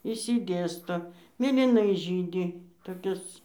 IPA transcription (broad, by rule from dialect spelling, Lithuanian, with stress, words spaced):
ɪʃʲsʲɪˈdʲeːstoː mʲeːlʲiːˈnɐɪ ˈʒʲiːdʲɪ toːˈkʲɪs